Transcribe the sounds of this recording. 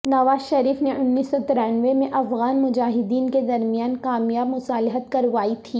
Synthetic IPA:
nɐʋaːzʃɐɾiːfneʔʊnːiːsːɔt̪ɪɾɛ̃ːnʋemẽʔɐfɣaːnmʊd͡ʒaːɦɪd̪iːnked̪ɐɾmijaːnkaːmjaːbmʊsaːlɪɦət̪kɐɾʋaːit̪ʰiː

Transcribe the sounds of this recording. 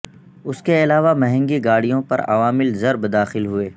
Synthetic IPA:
ʊskeɪlaːʋamɛɦɛ̃ŋɡiɡaːɽijõpɐ̰ɾɐ̰ʋaːmɪlzɐɾbd̪aːxɪlɦʊeː

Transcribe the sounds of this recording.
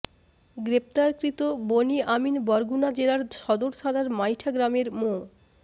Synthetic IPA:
ɡɾep̚t̪aɾkɾit̪oboniaminbɔɾɡunad͡ʑelaɾʃɔd̪oɾtʰalaɾmajʈʰaɡɾameɾmo

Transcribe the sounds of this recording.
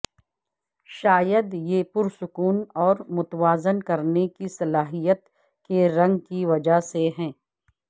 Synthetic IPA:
ʃaːjəd̪jepʊɾsʊkuːnɔːɾmʊt̪ʋaːzənkɐɾnekisɐlaːɦijət̪ | keɾɐ̃ŋɡkiʋɐd͡ʒaɦseɦɛ̃ː

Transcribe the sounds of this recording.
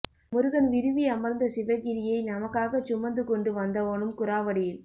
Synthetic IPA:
mʊɾɯɣɐnʋɪɾɯʋiɐmɐɾnd̪ɐsɪʋɐɣɪɾɪjɐɪnɐmɐkːaːɣɐt͡ʃːʊmɐnd̪ɯkɔɳɖɯʋɐnd̪ɐʋoːɳɯmkʊɾaːʋɐɽɪjɪl

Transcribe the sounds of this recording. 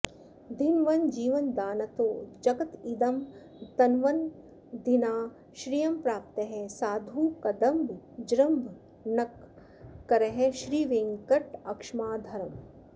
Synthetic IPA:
d̪inʋɐnd͡ʒiːʋɐnd̪aːnɐt̪oːd͡ʒɐɡɐt̪id̪ɐm | t̪ɐnʋɐn | d̪inaː | ʃɾiːjɐmpɾaːp̚t̪ɐɦɛsaːd̪ʱuːkɐd̪ɐmbʱd͡ʒɾɐmbʱ | nɐkː | ɐɾɐɦeʃɾiːʋeːŋkɐʈɐkʂmaːd̪ʱɐɾɐm

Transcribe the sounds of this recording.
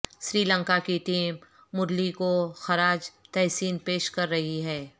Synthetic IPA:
sɾiːlə̃ŋkakiʈiːmː | ʊɾlikoxɐɾaːd͡ʒt̪ɛːsiːnpeːʃkɐɾːɐɦiɦɛː

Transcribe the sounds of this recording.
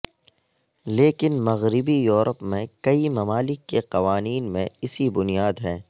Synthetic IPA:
leːkɪnmɐɣɾɪbijuːɾʔəpmẽkɐimɐmaːlɪkːeqɐʋaːniːnmḛ̃ɪsibʊnijaːd̪ɦɛː

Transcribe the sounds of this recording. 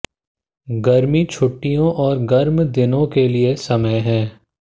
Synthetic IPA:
ɡɐɾmit͡ʃʰʊʈːijõʔɔːɾɡɐɾmd̪ɪnõkeliesɐməjɦɛ̃ː

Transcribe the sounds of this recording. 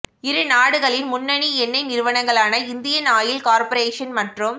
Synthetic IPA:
ɪɾɯnaːɽɯɣɐɭɪnmʊnːɐɳiɛnːɐɪnɪɾɯʋɐnɐŋɡɐɭaːnɐɪnd̪ɪjɐnaːjɪlkaːɾpɐɾeːʂɐnmɐʈrɯm

